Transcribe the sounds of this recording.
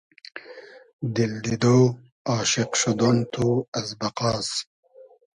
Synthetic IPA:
d̪ild̪id̪oː | ɑːʃɪqʃod̪ont̪uɐzbɐqɑːs

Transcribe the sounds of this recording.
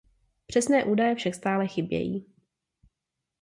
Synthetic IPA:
pr̥ɛsnɛːʔuːdajɛfʃakst̪aːlɛxɪbjɛ̰jḭː

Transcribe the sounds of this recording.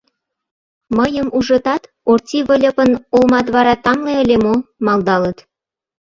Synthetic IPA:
məjəmuʒə̆t̪ɑt̪ | ortʲiβə̆lʲəpənolmɑt̪βɑɾɑt̪ɑmleəlʲemomɑld̪ɑlət̪

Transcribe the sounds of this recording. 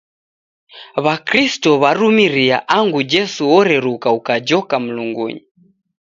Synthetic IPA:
βakɾistɔβaɾumiɾia̰ʔaŋɡud͡ʒɛsuɔɾɛɾukaukad͡ʒɔkam̩luŋɡṵɲi

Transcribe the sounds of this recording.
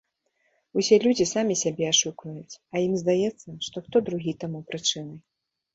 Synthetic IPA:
usʲɛlʲud͡zʲisamʲisʲabʲɛaʂukvɐjut͡sʲɐjimzd̪ajɛt̪sːɐʂt̪ɔxt̪ɔd̪ɾuɣʲit̪amupɾɨt͡ʂɨnɨ

